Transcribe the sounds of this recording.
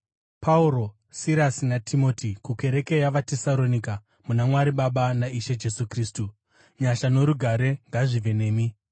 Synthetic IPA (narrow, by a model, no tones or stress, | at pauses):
pʰauɾo̞ | siɾasinatʰimo̞ːtikuke̞ɾe̞ke̞jaʋatesalo̞nika | munamwaɾiɓaɓanaiʃe̞d͡ʒe̞sukriːstu | ɲaʃano̞ɾuɡʱaɾe̞ŋɡaʐiʋe̞ne̞ːmi